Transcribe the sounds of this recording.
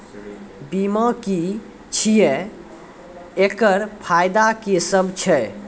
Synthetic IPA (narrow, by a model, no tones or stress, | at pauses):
biməki | t͡ʃʰije | ekəɾpʰajd̪akisəbʱt͡ʃʰɛ